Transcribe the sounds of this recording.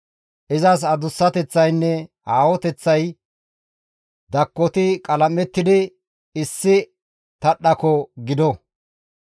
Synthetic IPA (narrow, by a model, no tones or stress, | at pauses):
ʔɪzɐs̬ɐd̪ʊsːɐt̪ɛt͡sːɐjnːɛ | haːwɔt̪ɛt͡sːɐj | d̪ɐkːɔt̪ɪkʼɐlɐmɛt̪ːɪd̪ɪ | ɪsːɪ | t̪ɐɗɐkɔɡɪd̪ɔ